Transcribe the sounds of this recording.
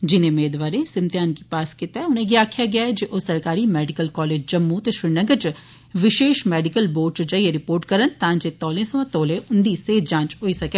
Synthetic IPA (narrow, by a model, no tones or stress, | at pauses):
d͡ʒɪnẽːmeːd̪ʋaːɾẽːsɪmt̪ɪjaːnkiːpaːskɪt̪ɛːʊnẽːɡiaːkʰjaːɡɪaːɛd͡ʒeːʔoːsəɾkaːɾiːmɛːɖɪkəlkɔːleːd͡ʒd͡ʒəmːũːt̪eːʃɪɾnəɡət͡ʃ | ʋɪʃeːʃmɛːɖɪkəlboːɖ̚t͡ʃd͡ʒaːieɾɪpoːɾʈkəɾənt̪ãːd͡ʒeːt̪ɔːlẽːsəʋãːt̪ɔːlẽːʔʊnd̪iːseːt̪d͡ʒãːt͡ʃɦoːiːsəkɛː